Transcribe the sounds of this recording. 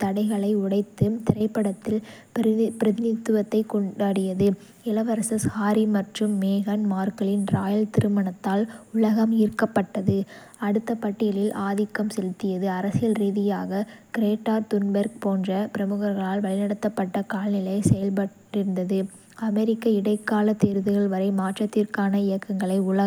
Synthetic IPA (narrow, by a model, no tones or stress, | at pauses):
t̪ɐɽɐɪɣɐɭɐɪʊɽɐɪt̪ːɯt̪ɪɾɐɪpːɐɽɐt̪ːɪl | pɪɾɐðɪnɪt̪ːɯʋɐt̪ːɐɪkɔɳɖaːɽɪjɐðɯ | ɪlɐʋɐɾɐsɐshaːɾimɐʈrɯmːeːɣɐnmaːɾkɐɭɪnɾaːjɪlt̪ɪɾɯmɐɳɐt̪ːaːlʊɭɐɣɐmiːɾkːɐpːɐʈːɐðɯ | ɐɽɯt̪ːɐpɐʈːɪjɐlɪlʔaːðɪkːɐmsɛlɪt̪ːɪjɐðɯɐɾɐsɪjɐlɾiːðɪjaːɣɐkɪɾeːʈːaːɾt̪ʊnbɐɾk̚poːndrɐpɪɾɐmɯɣɐɾɣɐɭaːlʋɐɭɪnɐɽɐt̪ːɐpːɐʈːɐkaːlnɪlɐɪsɛjɐlpɐʈːɪɾɯnd̪ɐðɯ | ɐmɛɾɪkːɐɪɽɐɪkːaːlɐt̪ːeːɾðɯɣɐɭʋɐɾɐɪmaːʈrɐt̪ːiːɾkaːnɐɪjɐkːɐŋɡɐɭɐɪʊɭɐ